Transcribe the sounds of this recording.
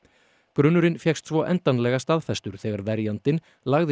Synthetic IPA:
kɾʏnːʏɾɪnfjɛxst̪θvɔːʔɛnt̪anlɛɣast̪aðfɛst̪ʏɾ̥θɛːɣaɾvɛɾjant̪ɪn | laɣðɪ

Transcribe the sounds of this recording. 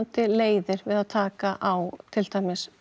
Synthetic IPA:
nt̪ɪleːjðɪɾvɪðaðt̪ʰaːkaʔawt̪ʰɪlt̪ajmɪs

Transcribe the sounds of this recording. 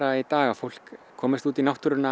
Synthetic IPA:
ɾait̪aːɣafowl̥kkʰːɔːmɪst̪uːt̪inawht̪ʏɾʏna

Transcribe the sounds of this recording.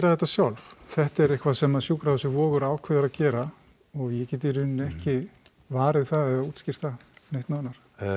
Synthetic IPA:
ɾaθɛht̪ːasjawlvθɛht̪ɛɾehkvasɛmaðsjuːkɾaðɛsʏvɔːɣʏɾaːwkʰvɛːðaɾacɛːɾa | ɔɣjɛcɛːt̪̬ɪɾʏnːɛhcɪ | vaːɾɪðθaðɛðauːt̪scɪr̥t̪θanejht̪naːnaɾ̥

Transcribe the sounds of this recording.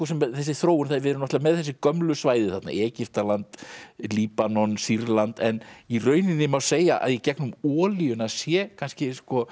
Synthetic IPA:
ɔs̬ɛmθɛsːɪθɾoːwʏnθaɾvɛɾʏnɔt̪ɛvamɛðθɛsːɪkœmlʏsvaːjðɪθat̪na̰ɛːcɪft̪alant̪liːpanɔnsiɾlant̪ɛnirœːɥnɪnːɪmawseːjaʔa̰ðjɛcɛknʏmɔːlijʏnasjɛkʰanscɪskɔ

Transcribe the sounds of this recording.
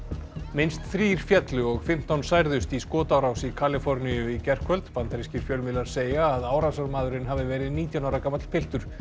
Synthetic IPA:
mɪnst̪θɾiːɾ̥fjɛt̪lʏɔɣfɪm̥t̪awnsajɾðʏst̪iskɔːt̪awɾawsikʰaːlɪfɔɾnijʏicɛr̥kʰœlt̪pant̪aɾiscɪɾ̥fjœlmɪlaɾseːjaːðaːwɾasaɾmaːðʏɾɪnɦavɪvɛːɾɪðniːt̪janawɾakamat̪l̥pʰɪl̥t̪ʏɾ̥

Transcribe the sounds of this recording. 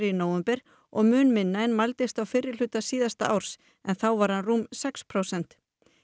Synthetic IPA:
ɾinoːwɛmpɛɾ̥ | ɔɣmʏːnmɪnːajɪnmalt̪ɪst̪awfɪrːɪl̥ʏːt̪asiːðast̪a̰ʔawɾ̥s | ɛnθawvaɾ̥hanruːmsɛkspʰɾowsɛn̥t̪

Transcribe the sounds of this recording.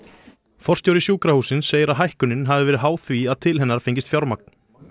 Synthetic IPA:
fɔr̥st̪jowɾɪsjuːkɾahuːsɪnsːeːjɪɾaðɦajhkʏnɪnɦavɪvɛːɾɪðɦaːwθviaðt̪ʰɪlɦɛnːaɾ̥feɲcɪst̪fjawɾmak̚n̥

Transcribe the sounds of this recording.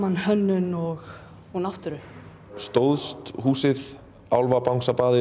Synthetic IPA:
anhœnːʏnɔɣ | ɔɣnaht̪ʏɾʏ | st̪owðst̪huːsɪð | awlvapawŋsapaːðɪ

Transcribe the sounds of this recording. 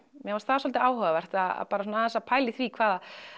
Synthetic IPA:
mjɛvɔst̪θaðsɔlt̪ɪaːwɦœvavɛr̥t̪aða̰ðpaːɾasɔnaθɛsapʰaːjlɪθvikʰvaːða

